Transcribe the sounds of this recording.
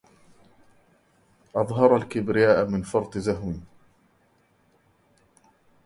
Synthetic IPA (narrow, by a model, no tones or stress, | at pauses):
ʔɑðˤɦɑɾˤalkɪbɾɪjaːʔamɪnfɑɾˤt̪ˤɨzaɦwiː